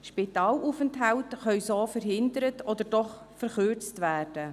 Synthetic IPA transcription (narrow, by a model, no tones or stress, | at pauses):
ʃpɪtɑːlʔufəntɦaltχœɥsoːfəɾɦɪndəɾətɔd̪əɾdɔχ | fəɾχøɾt͡stvæːrd̥ə